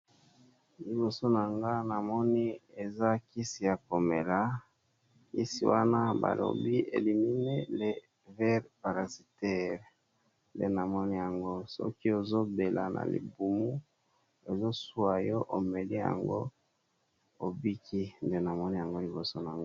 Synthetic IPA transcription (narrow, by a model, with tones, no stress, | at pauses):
li˨bo˨so˦na˨ŋɡa˦na˨mɔ˦ni˦e˨za˦ki˦si˨ja˨ko˨me˨la˨ | i˦sḭ˨wa˦na˦ba̰˨lo̰˨bi˦ḛ˨li˨mi˨ne˦le˨ | vɛ˦ʁpa˨ʁa˨zi˨tɛ˦ʁ | ndḛ˦na˨mɔ˦ni˦ja˨ŋɡo˦sɔ̰˦ki˦o˨zo˦be˨la̰˨nʔa̰˨lḭ˨bu˨mu˦ | e˨zo˦su˦a˨jɔ˦ʔo˨me˨li˦ja̰˨ŋɡo̰˦ | o˨bi˦kʰi˦nde˦na˨mɔ˦ni˦ja˨ŋɡo˦li˨bo˨so˦na˨ŋɡ